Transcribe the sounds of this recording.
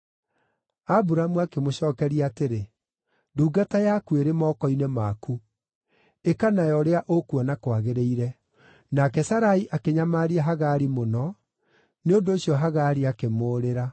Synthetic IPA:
abuɾamuakemoɕɔːkɛɾiateɾe | duːɡatajakueɾemɔːkɔinemaku | ekanajɔɾeaʔokuɔnakwaɣeɾeiɾɛ | nakɛsaɾaiʔakeɲamaɾiaɦaɣaɾimonɔ | neondoːɕiɔɦaɣaɾiakemoːɾeɾa

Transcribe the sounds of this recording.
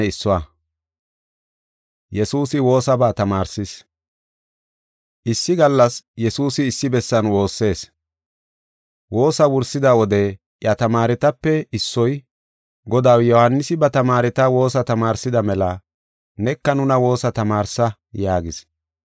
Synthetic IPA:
ɛɪsːɔwa | jɛsuːsɪwo̞ːsɐbaːt̪ɐmaːɾsɪs | ʔɪsːɪɡɐlːɐsjɛsuːsɪːsːɪbɛsːɐnwo̞ːsːe̞ːs | wo̞ːsɐwʊɾsɪd̪ɐwɔd̪ɛ | ʔjɐt̪ɐmaːɾɪt̪ɐpːɛɪsːɔj | ɡɔd̪ɐwjɔhɐnːɪsɪbɐt̪ɐmaːɾɪt̪ɐwo̞ːsɐt̪ɐmaːɾsɪd̪ɐmɛlɐ | nɛkːɐnʊnɐwo̞ːsɐt̪ɐmaːɾsɐ | jaːɡɪs

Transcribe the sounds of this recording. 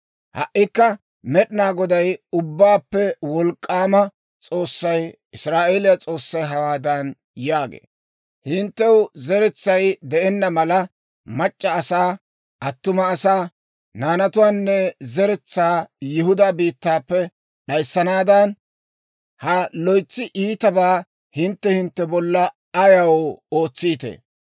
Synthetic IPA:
hɐ̰ʔːɪkːɐ | mɛɗɪnaːɡɔd̪ɐjʊbːaːpːɛwɔlkʼːaːmɐ | t͡sʼo̞ːsːɐj | ɪsɾaːʔeːlɪjat͡sʼo̞ːsːɐjɦɐwaːd̪ɐn | jaːɡḛː | hɪnt̪ːɛwzɛɾɛt͡sːɐjd̪ɛʔɛnːɐmɐlɐ | mɐt͡ʃʼːɐːsaː | ʔɐt̪ːʊmɐːsaː | naːnɐt̪ʊwaːnːɛzɛɾɛt͡sːaːjɪɦʊd̪abiːt̪ːaːpːɛ | ɗɐjsːɐnaːd̪ɐn | hɐlɔjt͡sːɪʔiːt̪ɐbaː | hɪnt̪ːɛhɪnt̪ːɛbɔlːɐ | ɐjɐwoːt͡sːiːt̪ḛː

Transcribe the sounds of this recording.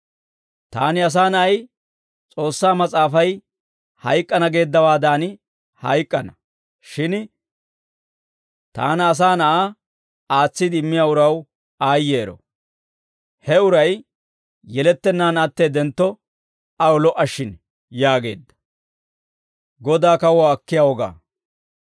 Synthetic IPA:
t̪a̰ːnɪɐs̬aːnɐɐj | t͡sʼo̞ːsːaːmɐt͡sʼaːfɐj | hɐ̰jkʼːɐnɐɡe̞ːd̪ːɐwaːd̪aːn | hɐ̰jkʼːɐnɐ | ʃɪn | t̪a̰ːnɐːs̬aːnɐʔa | aːt͡sːɪd̪ɪɪmːɪjaːʊɾɐw | aːjːe̞ːɾɔ̰ | hɛʊɾɐj | jɛlɛt̪ːɛnːaːnɐt̪ːeːd̪ɛnt̪ːɔ | ɐwɔlɔʔɐʃːɪn | jaːɡe̞ːd̪ːɐ̥ | ɡɔd̪aːkɐwɔɐkːɪjaːwɔɡa̰ː

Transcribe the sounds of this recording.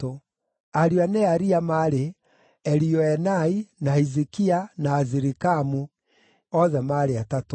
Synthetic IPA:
o | aɾianɛaɾiamaɾe | ɛɾiɔɛnainaizikianaːziɾikamu | ɔðɛmaɾeatato

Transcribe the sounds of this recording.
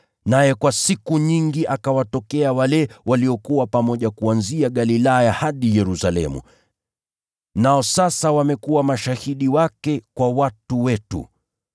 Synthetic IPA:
najɛkwasikuɲiŋɡiʔakawatɔkɛawalɛwaliɔkuwapamɔʄakuanziaɠalilajahaɗijɛɾusalɛ̰mṵ | naɔsasawamɛkuwamaʃahiɗiwakɛkwawatuwɛtṵ

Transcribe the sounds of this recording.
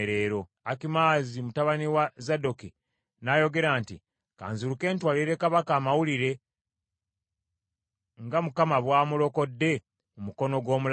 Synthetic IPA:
eɾe̞ːɾo̞ | akimaːzimutaβaniwazado̞ki | naːjo̞ɡe̞ɾaːntḭ | ka̰ːnzuɾuke̞ːntwaːliɾe̞kaβakaːmawuliɾe̞ | ŋɡamukamaβwaːmulo̞ko̞dːe̞ | umuko̞no̞ɡwo̞ːmul

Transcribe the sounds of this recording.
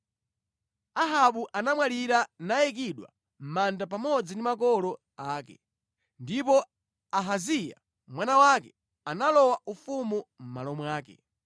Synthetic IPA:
aɦaɓuʔanamwaliɾanajɛk̬iɗwa̰ | m̩mandapamɔd͡zindimakɔlɔ | aːkɛ̰ | ndipɔ | aɦazija̰ | mwanawakɛ | analɔwaufumum̩ma̰lɔmwaːkɛ̰

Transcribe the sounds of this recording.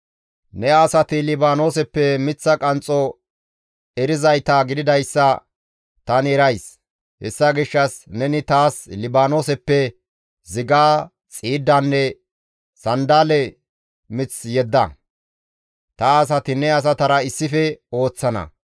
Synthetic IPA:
nɛɐsɐt̪ɪlɪbaːno̞ːsɛpːɛmɪt͡sːɐkʼɐnt͡sʼːɔ | ɛɾɪzɐjt̪aɡɪd̪ɪd̪ɐjsːɐ | t̪ɐnɛɾɐjs | hɛ̰sːɐɡɪʃːɐsnɛnɪt̪aːslɪbaːno̞ːsɛpːɛ | zɪɡaː | t͡sʼiːd̪ːanːɛ | sɐnd̪aːlɛ | mɪt͡sjɛd̪ːɐ̰ | t̪ɐːs̬ɐt̪ɪnɛɐs̬ɐt̪ɐɾɐɪsːɪfɛo̞ːt͡sːɐnɐ̰

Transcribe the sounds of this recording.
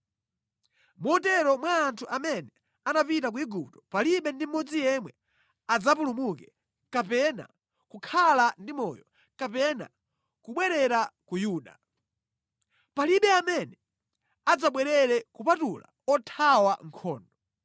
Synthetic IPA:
mɔtɛɾɔmwaːntʰuʔamɛnɛ | anapitak̬uiɡup̚tɔ̥paliɓɛndim̩mːɔd͡zijɛmwɛ | ad͡zapulumukɛ | kapɛna̰ | kukʰalandimɔjɔ | kapɛna̰ | kuɓwɛɾɛɾakujuːɗa̰ | paliɓɛamɛnɛ | ad͡zaɓwɛɾɛɾɛkupatula̰ | ɔtʰawaŋ̩kʰɔːndɔ

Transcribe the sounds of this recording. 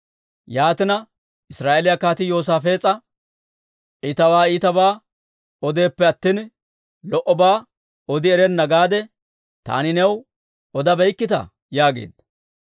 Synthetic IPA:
jaːt̪ɪnɐ | ʔɪsɾaːʔelɪjɐkːaːt̪ɪjo̞ːs̬aːfe̞ːt͡sʼːɐ | ʔit̪ɐwaːit̪ɐbaː | ɔd̪e̞ːpːɛɐt̪ːiːn | lɔʔɔbaː | ɔd̪ɪɛɾɛnːɐɡaːd̪ɛ | t̪a̰ːnɪnɛw | ɔd̪ɐbɛjkːɪt̪ɐ̰ | jaːɡḛːd̪

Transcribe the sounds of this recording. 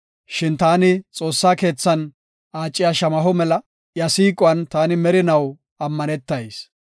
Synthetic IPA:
ʃɪnt̪aːnɪt͡sʼo̞ːsːaːke̞ːt͡sːɐn | aːt͡ʃʼːɪjaːʃɐmɐɦɔmɛlɐ | jɐsiːkʼʊɐnt̪aːnɪmɛɾɪnɐw | ɐmːɐnɛt̪ːɐjs

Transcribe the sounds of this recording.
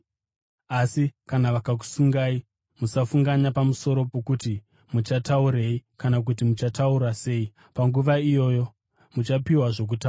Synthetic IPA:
asikanaʋakak̬u̥suŋɡai | musafuŋɡaɲapamuso̞ɾo̞po̞kuti | mut͡ʃatauɾe̞ikanak̬utimut͡ʃatauɾase̞ːi | paŋɡuʋaijo̞ːjo̞ | mut͡ʃapiwaʐo̞k̬utaa

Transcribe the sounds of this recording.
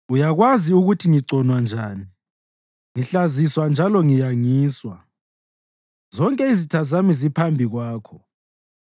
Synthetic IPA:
ujaɣwaziuɣutʰiŋiǀʱɔnwand͡ʒʱaːni | ŋiɬaziswand͡ʒʱalɔŋijaŋiːswa | zɔŋkʼɛizitʰazamizipʰambʱiɣwaːkʰɔ

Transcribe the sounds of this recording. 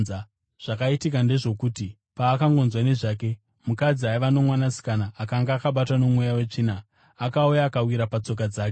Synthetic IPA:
ʐ̥akaitikande̞ʐo̞kuːti | paːkaŋɡo̞nzwane̞ʐaːke̞ | mukad͡ziaiʋano̞mwanasi̥kanaːkaŋɡaakaɓatwano̞mwujawe̞t͡ʂinaː | kaujaːkawiɾapat͡so̞k̬ad͡zaːke

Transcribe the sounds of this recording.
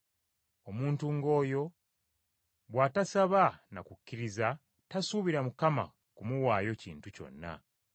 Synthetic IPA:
o̞muːntuŋɡo̞ːjo̞ | βwaːtasaβanakucːiɾiza | tasuβiɾamukama̰ | kumuwaːjo̞ciːntuco̞̰nːa̰

